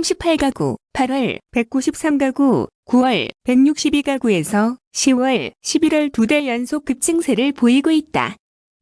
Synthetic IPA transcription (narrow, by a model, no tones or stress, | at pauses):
amɕʰipʰaɭɡaɡo̰pʰaɾwʌɭpe̞k̚k͈uɕʰip̚s͈amɡaɡukuwʌɭpe̞ŋɲuk̚ɕ͈ibiɡaɡue̞sʰʌ | ɕʰiwʌɭɕʰibiɾwʌɭtudeɭjʌnsʰok͈ɯp̚t͡ɕ͈ʰɯŋsʰe̞ɾɯɭpoiɡoit̚t͈a̰